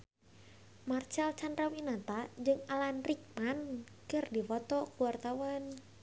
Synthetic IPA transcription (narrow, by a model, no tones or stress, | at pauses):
mart͡ʃalt͡ʃandrawinat̪ad͡ʒɨŋalanrik̚man | kɨrdifɔt̪ɔkuwart̪awan